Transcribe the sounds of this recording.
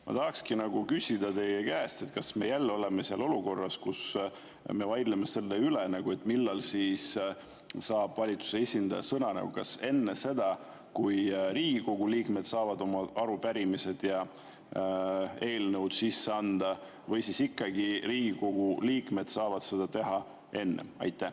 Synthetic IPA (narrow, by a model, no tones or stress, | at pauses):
mɑ̰t̪ɑɦɑkskinɑɡ̥ukysʲid̪̥ɑt̪e̞jekæːst̪e̞t̪kɑsme̞jælːo̞leme̞siɑlo̞luko̞rːɑskus | me̞vɑjd̪leme̞se̞lːeylenɑɡ̥ue̞t̪ːˑmilːɑlsiːs | sɑːb̥vɑlʲit̪su̥se̞esʲind̪ɑjɑ̰sɤnɑnɑ̰ɡ̥ṵkɑse̞nːese̞d̪ɑ | kujriːɡiko̞ɡ̥uliːkme̞d̪̥sɑːvɑd̪o̞mɑɑɾupæɾimise̞d̪̥jɑ | e̞ːlnəwd̪̥sisːe̞ɑnd̪̥ɑ | vɤjsisikːɑɡiriːɡ̥iko̞ɡ̥uliːkme̞d̪̥sɑːvɑd̪̥se̞d̪ɑt̪e̞ɦɑ | e̞nːḛɑ̰jt̪ːˑæ